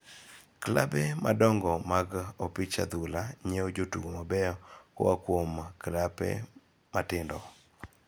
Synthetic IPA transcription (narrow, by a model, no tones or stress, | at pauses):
kla̰bɛmadɔŋɡɔmaɡɔpɪt͡ʃa̰d̪ulaɲeod͡ʒotṵɡomabɛjɔkɔ̰akwomklapɛ̰ | matɪndɔ